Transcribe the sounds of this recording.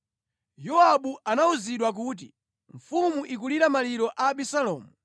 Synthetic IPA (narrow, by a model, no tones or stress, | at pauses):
jɔaɓuʔanauziɗwak̬uːt̬ḭ | ɱfumuʔik̬uliɾamaliɾɔʔaːɓisalɔ̰ːmu